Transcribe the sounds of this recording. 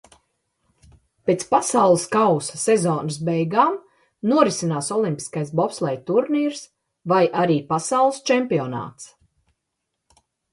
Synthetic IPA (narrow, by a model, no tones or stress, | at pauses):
peːt̪spasawlˠɨskawsḁsɛzɔːnɨsbɛjɡaːm | nuɔɾisinaːsɔlˠimpʲi̥skajsbɔpslˠɛjt̪uɾniːɾs | vajʔaɾiːpasawlˠst͡ʃɛmpiɔna̰ːt̪s